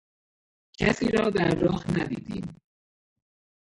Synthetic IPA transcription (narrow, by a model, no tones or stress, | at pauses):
cʰæsiːɾɒːd̪æɾːɒːhnæd̪ḭːd̪ḭːm